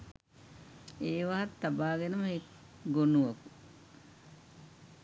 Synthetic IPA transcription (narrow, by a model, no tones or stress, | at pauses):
eːʋaɦat̪ːabaːɡenəməɦek | ɡonuʋoku